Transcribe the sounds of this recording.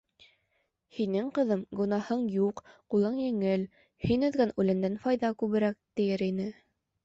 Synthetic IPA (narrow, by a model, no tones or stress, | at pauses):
hinɘŋqɤ̆ðɤmɡŏnɑhɤɴjuqqulˠɤɴjɘ̆ŋɘl | hinɵ̆ðɡænʉlɘ̆nd̪ænfɑjðɑkʉβɘ̆ɾæk̚t̪ɘ̆jɘɾinɘ